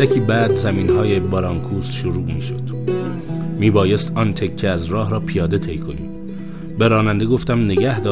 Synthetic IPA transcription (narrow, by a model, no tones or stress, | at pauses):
ækʰiːbæːd̪zæmiːnɦɒːjebɒɾɒːŋkʰuːst̪ʃoɾuːmiːʃod̪̥ | miːbɒːjest̪ɒːnt̪ʰekʰːeæzɾɒːɦɾɒːpʰijɒːd̪e̞t̪ʰe̞jkʰo̞nḭːm | be̞ɾɒːnænd̪e̞ɡo̞ft̪æmne̞ɡæhd̪ɒː